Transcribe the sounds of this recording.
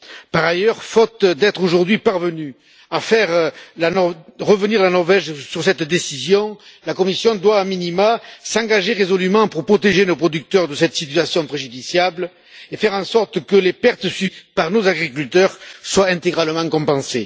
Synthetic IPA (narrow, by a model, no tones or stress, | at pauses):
paʁajœʁfɔt̪d̪ɛt̪χoʒuʁd̪ɥipaʁvəny | afɛʁlaʁəvəniʁlanɔʁvɛʒsyʁsɛt̪d̪esizjɔ̃lakɔmisjɔ̃d̪waːminimasɑ̃ŋɡaʒeʁezɔlymɑ̃puʁpχɔt̪eʒenopχɔd̪yk̚t̪œʁd̪əsɛt̪əsit̪ɥasjɔ̃pχeʒyd̪isjabl | efɛʁɑ̃sɔʁt̪kəlepɛʁt̪əsypaʁnozaɡʁik̬ylt̪œʁswaɛ̃nt̪eɡʁaləmɑ̃kɔ̃mpɑ̃se